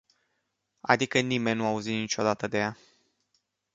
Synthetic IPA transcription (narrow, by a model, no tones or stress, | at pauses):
a̰d̪ikənime̞nʲnːuauzit̪nit͡ʃo̞d̪at̪əd̪e̞ja